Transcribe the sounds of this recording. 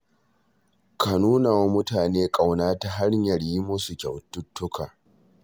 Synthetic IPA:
kʰa˨nuː˦na˨wa˦mʊ˦taː˨neː˦kʼa˨wnaː˦ta˨ɦa˦ɽɲɐ˨ɽji˦mʊ˦su˨kʲɐ˨wtʊ˦tːʊ˦kʰaː˨

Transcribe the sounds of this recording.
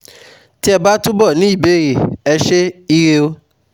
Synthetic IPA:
ti˦ɛ˧ba˦tu˦bɔ˦˨nĩ˨˦i˦˨be˨˦˨ɾe˨ɛ˧ʃe˦i˦ɾe˧o˦

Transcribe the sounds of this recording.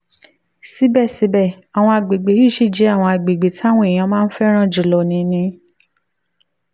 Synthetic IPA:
si˨˦bɛ˦˨si˨˦bɛ˦˨ | a˨w̃ɔ̃˧a˨ɡ͡be˨ɡ͡be˨˦i˦˨ʃi˦˨d͡ʒɛ˨˦a˦˨w̃ɔ̃˧a˨ɡ͡be˨ɡ͡be˨tʰa˦w̃ũ˦e˨j̃ã˧mãː˦n̩˦fɛ˦ɾ̃ã˦˨d͡ʒu˨lɔ˨nĩ˧˦nĩ˧

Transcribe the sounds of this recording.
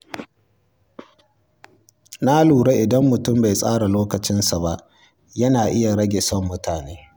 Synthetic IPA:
na˦luː˨ɽe˦ʔɪ˨dɐ˦mːʊ˨tʊ˦˨mba˨jsʼaː˦ɽa˨loː˦kɐ˨t͡ʃɪ˦nsa˨ba˦ʔ | jɐ˦naː˨ʔɪ˦ja˨ɽɐ˦ɡʲe˨sɔ˦˨mːʊ˦tʰaː˨neː˦

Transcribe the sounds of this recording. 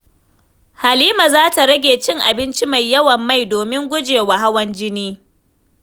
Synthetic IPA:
ha˨liː˦ma˨zaː˦ta˨ɽɐ˦ɡʲeː˨t͡ʃɪ˦ŋʔa˨bɪ˦nt͡ʃi˦ma˨jːɐ˦wɐ˨mːa˦jdoː˨mɪ˦ŋɡʷʊ˦d͡ʒeː˨wa˨ɦa˦wɐ˦nd͡ʒɪ˦niː˦

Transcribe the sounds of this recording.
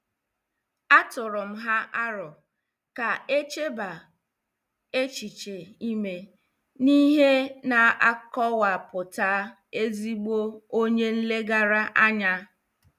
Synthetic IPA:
a˦tʊ˨ɾʊ˨m̩˦ɦa˦ʔa˦ɾɔ˨ | ka˨e˦t͡ʃe˦ba˨ | e˦t͡ʃi˨t͡ʃe˨i˦me˦ | ni˦ɦe˦na˨a˦kɔ˦wa˨pʊ˨ta˦ | e˦zi˦ɡ͡bo˦o˦ɲe˦n̩˦le˦ɡa˦ɾa˦ʔa˦ɲa˦

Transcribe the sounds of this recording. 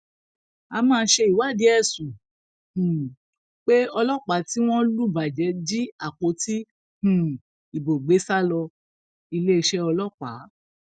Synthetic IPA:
a˧mãː˧˦ʃe˧i˨wa˨˦˨di˨˦ɛ˦˨sũ˨ | hũ˨ | k͡pe˦ɔ˧lɔ˦k͡pa˨˦ti˦w̃ɔ̃˦lu˦˨ba˨d͡ʒɛ˨˦d͡ʒi˦a˦˨ko˨˦ti˦ | ũ˨ | i˨bo˨ɡ͡be˨˦sa˦lɔ˧ | i˧le˦i˧ʃɛ˦ɔ˧lɔ˦k͡pa˨˦

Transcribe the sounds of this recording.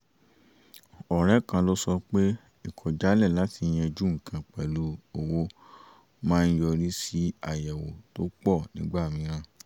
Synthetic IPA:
ɔ˨ɾɛ˨˦kã˧lo˦sɔ˧k͡pe˦ | i˦˨kʰɔ˨d͡ʒa˨˦lɛ˦˨la˨˦ti˧j̃ɛ̃˧d͡ʒu˦ŋ̩˨kʰã˧k͡pɛ˨lu˨˧o˨wo˧ | mãː˦n̩˦jɔ˧ɾi˦si˦a˨ja˨wo˨to˦k͡pɔ˦˨nĩ˨˦ɡ͡ba˦˨mĩ˨˧˦ɾ̃ã˧

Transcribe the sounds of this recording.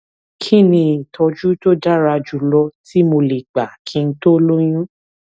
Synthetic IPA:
kʰi˦nĩ˧i˨tʰɔ˧d͡ʒu˦to˦da˦ɾa˧d͡ʒu˨˦lɔ˧ti˦mo˧le˨ɡ͡ba˨kʰĩ˧n̩˦to˦lo˦j̃ũ˦

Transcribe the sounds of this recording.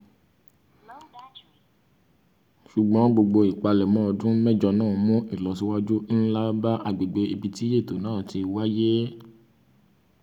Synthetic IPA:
ʃu˨ɡ͡bɔ̃˨˦ɡ͡bo˧ɡ͡bo˧i˨k͡pa˧lɛ˨mɔ̃˨˦˧dũ˦mɛ˦˨d͡ʒɔ˧nãː˦˨mũ˦i˦˨lɔ˨s̬i˦wa˦d͡ʒu˦n̩˦la˦ba˦ʔa˨ɡ͡be˨ɡ͡be˨˦i˧bi˧ti˦je˦˨to˨nãː˦˨ti˧wa˦je˦

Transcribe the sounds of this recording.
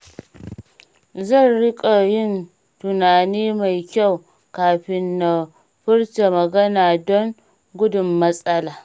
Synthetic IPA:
zɐ˦˨nɾɪ˦kʼa˨jɪ˦n | tʊ˨naː˨niː˦ma˨jkʲa˦˨w | kaː˨ɸɪ˦nːa˨ | ɸʊ˦ɽta˨mɐ˨ɡɐ˦naː˨dɔ˦ŋ | ɡʷʊ˦dʊ˨mːɐ˦sʼɐ˦laː˨

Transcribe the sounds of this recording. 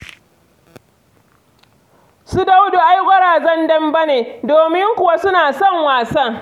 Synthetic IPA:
su˦da˦wdo˨ʔa˦jɡʷɐ˦ɽaː˨zɐ˦ndɐ˦mbɐ˦neː˨doː˨mɪ˦ŋkʷʊ˨wa˦sʊ˦naː˨sɔ˦˨ŋwaː˨sɐ˦ŋ

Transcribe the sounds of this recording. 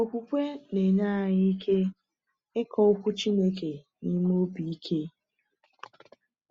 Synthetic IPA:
o˨ku˦kʷe˦ne˨na˦a˨ɲi˦i˦kʰe˦ | ɪ˦kʰɔ˦ʊ˦kʷu˦t͡ʃi˦ne˦ke˨ | ni˦m˦o˦bi˨i˦kʰe˦

